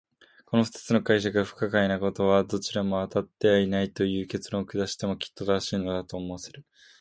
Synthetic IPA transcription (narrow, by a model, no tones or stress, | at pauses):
ko̞no̞ɸɯ̥t̪ḁt͡sɨno̞kaiɕ̬akɡaɸɯ̟̥kakainako̞t̪o̞βad̪o̞t͡ɕiɾamo̞at̪at̪ːe̞βainait̪o̞jɯ̟ːke̞t͡sɨɾõŋkɯ̟d̪aɕi̥t̪e̞mo̞kʲi̥t̪ːo̞t̪aɕiːno̞d̪at̪o̞ːmo̞aseɾɯ̟